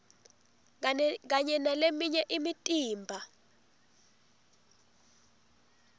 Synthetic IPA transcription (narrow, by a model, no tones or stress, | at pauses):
k̬aɲɛnalemiɲɛʔimitʼiːmbʱa